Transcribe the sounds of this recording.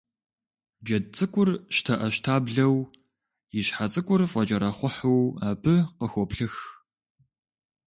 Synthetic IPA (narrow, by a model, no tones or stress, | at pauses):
d͡ʒɐdt͡sʼɨkʷʼʊrʃtʰɐʔɐʃtʰaːbɮɐw | jiɕħat͡sʼɨkʷʼʊrfʼɐt͡ʃʼɐɾɐχʷʊħuwaːpʰɨqəxʷɔpɬɨx